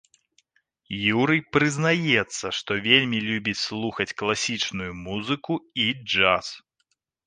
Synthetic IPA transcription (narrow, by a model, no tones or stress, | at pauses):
juɾɨjpɾɨznajɛt̪sːɐʂt̪ɔvʲelʲmʲilʲubʲit͡sʲslˠuxɐt͡sʲklˠasʲit͡ʂnujumuzɨkuid͡ʐas